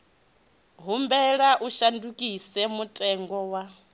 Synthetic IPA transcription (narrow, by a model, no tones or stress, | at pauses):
ɦumbɛɺaʔuʃandukʼisɛmutʼɛŋɡɔwa